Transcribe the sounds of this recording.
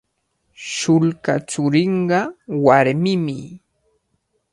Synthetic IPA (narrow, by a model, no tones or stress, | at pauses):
ʃʊlkat͡ʃʊɾɪɴɢɑwaɾmɪmɪ